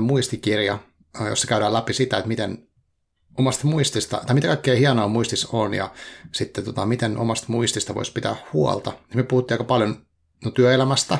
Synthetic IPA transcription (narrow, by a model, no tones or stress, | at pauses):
muist̪ikirjɑ | jo̰sːɑ̥kæyɾæːlæpisit̪æet̪mit̪en | omɑst̪muist̪ist̪ɑ̰t̪ɑimit̪ækɑikːeːhiɑnoːmuist̪isonjɑ̰sit̪ːet̪ot̪ɑmit̪enʔo̰mɑst̪muist̪ist̪ɑʋo̰ispit̪æ̰ːhhuo̰lt̪ɑnimyøpuhut̪ːiːɑikɑpɑljon | nt̪yøelæmæst̪æ